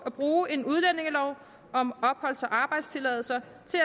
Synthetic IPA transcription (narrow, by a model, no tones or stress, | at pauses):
æb̥ʁuːe̝nuð̞ˠlene̝ŋəlɒʊ | ɒ̽mɒ̽b̥hɒ̽l̰sɒʔɑ̈ːb̥ɑ̈ɪd̥st͡sʰe̝lɛðˠl̩sɐ | t͡sʰe̝æ